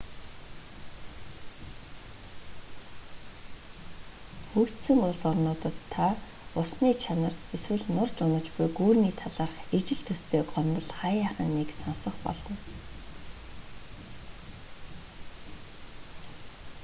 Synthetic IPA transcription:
xukt̪sɵ̆ŋʊɮsɔrnʊːt̪ə̆t̪ʰːa | ʊsniːt͡ɕʰanə̆reswɘ̆ɮnʊrt͡ɕʊnə̆t͡ɕpʊjɡuːrniːt̪ʰaɮaːrχet͡ɕɪ̆ɬt̪ʰɵst̪ʰeːɢɔmt̪ə̆ɮχaːjaːχə̆nːeksɔnsɞ̆χpɔ̰ɮɞ̆n

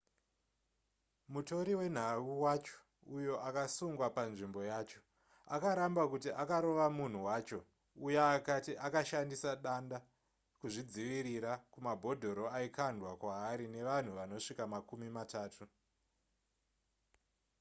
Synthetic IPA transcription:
muto̞ɾiwe̞n̤auwat͡ʃo̥ | ujo̞ʔakasuŋɡwapanʐimbo̞jaːt͡ʃo̞̥ | akaɾambakutiʔakaɾo̞ʋamun̤uwaːt͡ʃo̞ | ujaːkatiʔakaʃandisaɗanda | kuʐid͡ziʋiɾiɾakumabʱo̞dʱo̞ɾo̞aikandʱwakwaːɾine̞ʋan̤uʋano̞ʂikamakumimataːtʰu

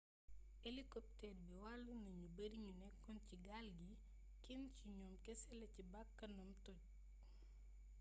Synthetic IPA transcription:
elikɔp̚tɛrbiwalːunɐɲubɐɾiɲunɛkːɔnciɡalɡi | kinciɲɔːmkɛsɛlɐcibakːɐnɐmtɔc̚

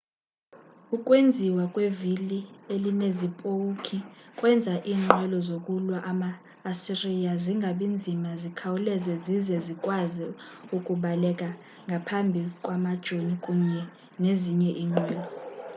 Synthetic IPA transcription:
ukʼwend͡zʱiwakʼwevilielinezipʼokʰikʼwɛnd͡zʱaʔiːŋ͡ǃʱɛlɔzokʼulwaʔamaː | sirijaziŋɡʱaɓind͡zʱimazikʰawulɛzɛzizɛzikʼwazi | ukʼuɓalɛkʼa | ŋɡʱapʰambʱikʼwamad̥ʒ̥ʱonikʼuɲɛ | neziɲɛʔiːŋ͡ǃwɛːlɔ

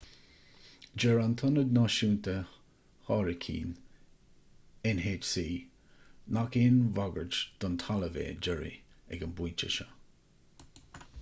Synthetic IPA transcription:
d͡ʒɛɹant̪ʰʊnəd̪nɑʃuːnt̪ə | hɑːɹəkʰḭːn | ɪnɦeːd͡ʒsiː | nakeːnvaɡəɹd͡ʒd̪̥ɔnt̪ʰaləvḛːd͡ʒəɹḭɛ̰ɡənbujt͡ʃə̰ʃə

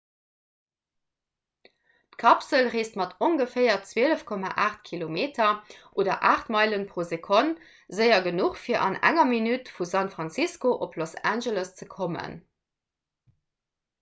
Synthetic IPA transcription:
tkʰɑpsəlʁeːstmɑtʰoŋɡəfɜɪɐt͡sweələfkʰɔma̰ʔaːχtkʰilomeːtʰɐʔoːdɐʔaːχtmɑɪlənpʁ̥oːzekʰon | zəɪɐɡənuχfiːɐʔɑ̰næ̰ŋɐminytfusænfʁɑnt͡siskoʔopʰlosænʒələst͡səkʰomə̰n

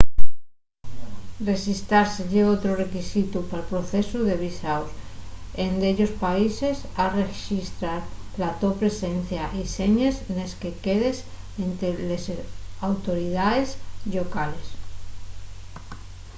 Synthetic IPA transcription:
rre̞xist̪ɾaɾseʝeot̪ɾore̞kisit̪upalpɾo̞θe̞suðe̞β̞isawsend̪e̞ʎo̞spaise̞sareʃist̪ɾaɾlat̪o̞pɾe̞se̞n̟θjaʔise̞ɲesne̞ske̞ke̞ðe̞s | ent̪elesawt̪o̞ɾiðaðe̞sʎo̞kale̞s

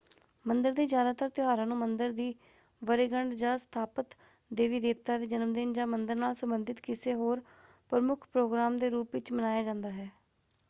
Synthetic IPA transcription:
mənd̪əɾd̪iːd͡ʒjaːd̪aːt̪əɾt̪jʊɦaːɾãːnũːmənd̪əɾd̪iː | ʋəɾeːɡəɳɖd͡ʒãːst̪ʰaːpət̪ | d̪eːʋiːd̪eːp̚t̪aːd̪eːd͡ʒənəmd̪ɪnd͡ʒãːmənd̪əɾnaːlsəmbənd̪ɪt̪kɪseːɦoːɾ | pɾəmʊkʰpɾoːɡɾaːmd̪eːɾuːpʋɪt͡ʃmənaːjaːd͡ʒãːnd̪aːɦɛː

